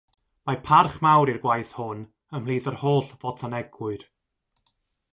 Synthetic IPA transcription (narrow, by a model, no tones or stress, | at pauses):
mapʰarχmawɾirɡwajθhʊn | əmhlˠiːðərhoːɬvɔtʰanɛɡwʊɨð̥